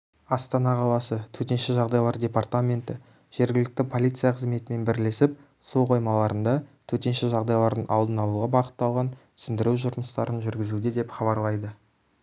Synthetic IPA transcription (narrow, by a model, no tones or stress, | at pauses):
ɑst̪ɑnɑqʰɑlˠɑsət̪ʰɵt̪e̞nʃɪʒɑʁd̪ɑjlˠɑɾdʲe̞part̪amʲe̞nt̪ɪ̰ | ʒ̥e̞ɾɡʲɪlɪk̚t̪ɪpʰo̞lʲijt̪sɨijaqʰəzme̞t̪ɪme̞nbɪɾle̞sɪp̚ | soqo̞jmɑlˠɑɾənd̪ɑt̪ʰɵt̪e̞nʃɪʒɑʁd̪ɑjlˠɑɾd̪əɴɑlˠd̪ənɑlˠuʁɑbɑqə̥t̪ːɑlˠʁɑn | sʏnd̪ɪɾuwʒʊɾməst̪ɑɾənʒʏɾɡʲɪzud̪ed̪e̞pχɑβɑɾlˠɑjd̪ə